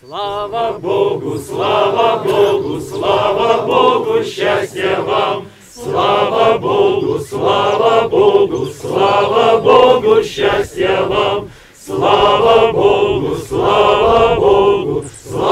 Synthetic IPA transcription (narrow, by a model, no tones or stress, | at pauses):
boɡʊslˠavəboɡʊslˠavəboɡʊɕːasʲtʲjəvam | slˠavəboɡʊslˠavəboɡʊslˠavəboɡʊɕːasʲtʲjəvam | slˠavəboɡʊslˠavəboɡʊsˠ